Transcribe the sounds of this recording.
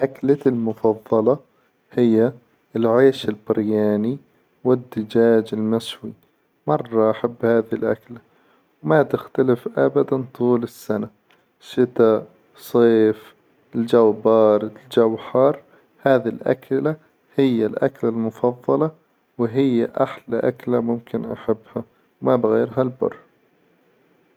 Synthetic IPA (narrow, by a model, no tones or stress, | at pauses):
ʔaklalmʊfɑðˤːɑlɑ | hɪjːa | ɪlʕeːʃɪlbɪɾjaːni | wɪd̪ːɪd͡ʒaːd͡ʒɪlmɪswi | mɑrˤːɑʔaħabːhaːðilʔa̰kla | wmat̪ɪxt̪alɪfʔabad̪ant̪ˤuːlɪsːana | ʃɪt̪a | sˤeːf | ld͡ʒawbɑːɾˤɪt̪ld͡ʒawħɑːɾˤ | haːðilʔa̰kla | hɪjːalʔa̰klalmʊfɑðˤːɑlɑ | wɦɪjːaʔaħlaʔaklamʊmkɪnʔaħabːha | wmabɪɣeːɾɦalbʊ̰rˤː